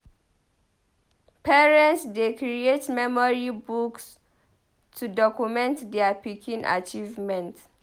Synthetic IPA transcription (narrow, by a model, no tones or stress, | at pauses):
pɛɹɛ̃ntsdekɾietmɛmɔɹibuks | tʰudɔkumɛ̃ntdɛapikʰĩnʔa̰t͡ʃivmɛ̃nt